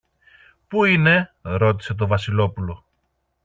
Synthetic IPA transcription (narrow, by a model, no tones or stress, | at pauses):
puine̞ɾo̞t̪i̥se̞t̪̬o̞vɐsilo̞pulo̞